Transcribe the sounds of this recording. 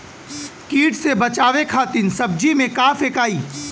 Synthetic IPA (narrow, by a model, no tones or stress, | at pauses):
kiːʈsebɐt͡ʃaːʋekʰaːt̪ɪnsɐb̚d͡ʒimẽkaːfeːkaːiː